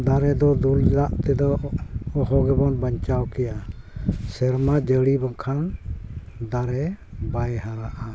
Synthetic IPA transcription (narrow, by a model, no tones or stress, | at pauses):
d̪aɾɛd̪ɔd̪uɾlɛlaʔt̪ɛd̪ɔː | ɦɔɡɛbɔnbaɲt͡ʃawkɛja | sɛɾmad͡ʒəɽibaŋkʰan | d̪aɾɛbajɦaɾaʔa